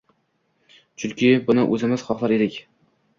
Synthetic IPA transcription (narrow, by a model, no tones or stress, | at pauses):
t͡ʃʰʊŋkʲʰɪbʊnɪʔɵzɪmɪzχɒχlˠaɾe̞d̪ɪkʲ